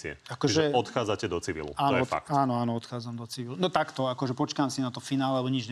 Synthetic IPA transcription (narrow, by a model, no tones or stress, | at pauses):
iɛ̰akɔt͡ʃʒɛɔt̪xaːd͡zacɛd̪ɔt͡siʋḭlṵaːnɔɛɔa̰k̚t̪aːnɔaːnɔɔt̪xaːd͡zamd̪ɔt͡siʋilunɔt̪akt̪ɔakɔʒɛpɔt͡ʃkaːmsinat̪ɔfinaːlalɛbɔɲid͡ʒɲɛ